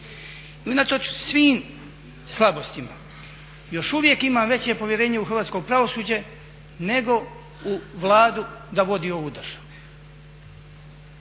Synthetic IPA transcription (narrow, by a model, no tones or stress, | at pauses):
iunat̪ot͡ʃsʋiːm | slˠabo̞st̪ima̰ | jo̞ʃuʋje̞kimaːmʋe̞t͡ɕe̞po̞ʋje̞ɾe̞ːɲeuxrʋaːt̪sko̞ɡ̚pɾaʋo̞suːd͡ʑe | ne̞ɡo̞ | uʋlaːd̪ud̪aʋo̞d̪io̞ʋud̪rʒ̥aʋu